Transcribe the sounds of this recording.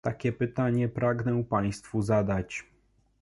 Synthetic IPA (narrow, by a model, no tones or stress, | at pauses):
t̪akʲɛpɘt̪aɲɛpɾaɡnɛpaj̃st̪fuzad̪at͡ɕ